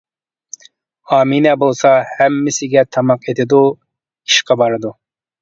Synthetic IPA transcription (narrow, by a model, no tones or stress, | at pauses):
ɑːminɛbolˠsɑhɛmːɪsɪɡʲɛt̪ʰɑmɑqet̪ʰɪd̪u | iʃqɑbɑɾɨd̪u